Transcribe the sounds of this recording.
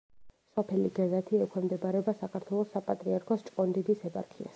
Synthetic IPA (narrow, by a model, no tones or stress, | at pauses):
sɔpʰɛliɡazat̪ʰiɛkʰɛmd̪ɛbaɾɛbasakʰaɾt̪ʰwɛlˠɔsːapʼat̪ʼɾiaɾkʰɔst͡ʃʼqʼɔnd̪id̪isɛpʼa̰ɾkʰia̰s